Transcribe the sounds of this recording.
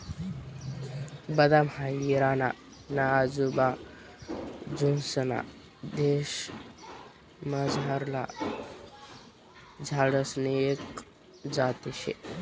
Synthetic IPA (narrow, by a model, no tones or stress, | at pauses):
bɐd̪amhaiɾaːna | nazuba | d͡ʒunsɐna̰ | d̪eːʃ | mɐzɦaɾla | d͡ʒʱaːɽɐsneek | d͡ʒaːt̪iʃḛ